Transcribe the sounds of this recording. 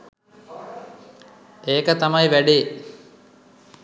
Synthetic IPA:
eːkət̪amɐjʋæɖe

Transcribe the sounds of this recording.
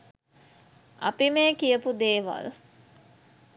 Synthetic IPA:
apimeːkijəpud̪eːʋa̰l

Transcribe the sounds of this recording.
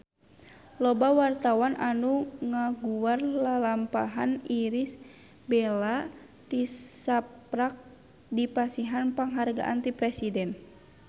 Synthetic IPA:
lɔbawart̪awanʔanuŋaɡuwarlalampaɦaniɾis | bɛla | t̪isapɾak̚ | dipasiɦanpaŋɦarɡa̰ʔant̪ipɾɛsidɛn

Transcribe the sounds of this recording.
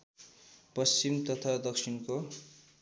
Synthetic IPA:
pʌst͡ɕimt̪ʌt̪ʰad̪ʌksʰinko

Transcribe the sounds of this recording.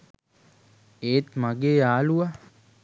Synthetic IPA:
eːt̪maɡeːaːlua

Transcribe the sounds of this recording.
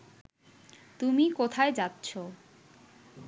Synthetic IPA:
t̪umikot̪ʰaed͡ʑatːɕʰo

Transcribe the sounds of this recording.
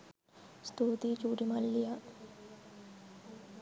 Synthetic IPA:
st̪uːt̪it͡ʃuːʈimɐlːija

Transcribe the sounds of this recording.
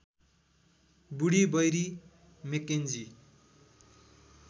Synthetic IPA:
buɽibʌjɾi | mekend͡zi

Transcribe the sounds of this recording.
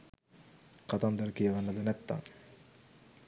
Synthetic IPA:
kat̪amd̪aɾəkijəʋanːəd̪ənɛt̪ːa̰ŋ

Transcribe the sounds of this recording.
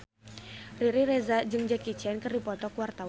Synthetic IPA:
riɾiɾɛzad͡ʒɨŋd͡ʒakit͡ʃɛnkərdipɔt̪ɔkwart̪a

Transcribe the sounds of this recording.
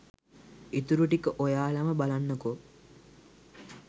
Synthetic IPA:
it̪uɾuʈikəʔojaːlaməbalanːəko

